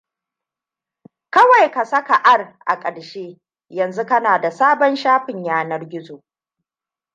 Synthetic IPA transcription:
kɐ˦wa˨jka˨sɐ˦ka˨ʔa˦rʔa̰˨kʼɐ˨ɽʃeː˦ | jɐ˨nzu˦kɐ˦naː˨da˨saː˦bɔ˦nʃaː˦ɸɪ˨ɲjaː˦nɐ˦rɡʲɪ˦zoː˨ʔ

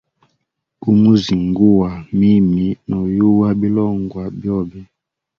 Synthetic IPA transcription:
ku˦mu˦zi˨ŋɡu˦wa˨mi˦mi˨nɔ˨ju˦wa˦bi˦lɔ˦˨ŋɡwa˨bjɔ˦˨bɛ˦

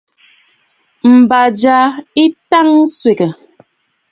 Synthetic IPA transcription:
m̩˨ba˨d͡ʒa˨˦i˦ta˦ŋswe˨kə˨

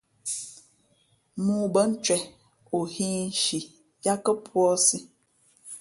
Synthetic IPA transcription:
muː˦bə˦n̩˦t͡ʃwɛ˨ | o˨hĩː˦n̩˦ʃi˨ | ja˦kə˦pwɔ˦si˦

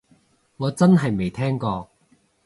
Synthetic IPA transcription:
ŋɔː˨˧t͡sɐ˥nɦɐ˨jme˨˩jt̪ʰɛː˥ŋkɔː˧

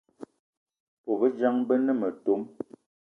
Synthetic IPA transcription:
po˨bə˦d͡ʒa˦ŋbə˦nə˦mə˨to˦m

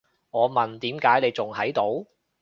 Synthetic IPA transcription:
ŋɔː˨˧mɐ˨nt̪iː˨˥mkaː˨˥jne˨˧jt͡sʊ˨ŋhʰɐ˨˥jt̪o˨˥w

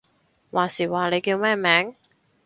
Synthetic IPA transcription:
waː˨˩siː˨˩waː˨˩le˨˧jkiː˧wmɛː˥˩mɛː˨˥ŋ

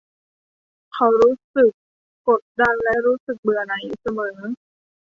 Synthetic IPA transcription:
kʰa˧˩wɾuː˦˥sɯ˨˩k̚ː | o˨˩t̪̚da˧nlɛ˦˥ɾuː˦˥sɯ˨˩k̚bɯ˨˩ɐna˩˦ju˨˩k̚sa˧mɤː˩˦

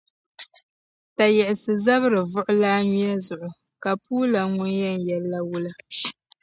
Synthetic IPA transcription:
ta˨jɛ˨ʔɪ˨sɨ˨za˦βɨ˦ɾɨ˨vʊ˦ʔʊ˦laː˦ɲi˦jɛ˦zʊ˨ʔʊ˨ | ka˨puː˦la˨ŋʊ˦njɛ˦n˨jɛ˦lːa˦wu˦la˦

